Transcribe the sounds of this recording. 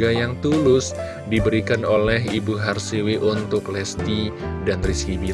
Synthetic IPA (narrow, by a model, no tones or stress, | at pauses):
ajaŋt̪ulʊs | dibəɾikanolɛɦibuɦarsiwɪʔunt̪ʊklɛst̪idanriskibi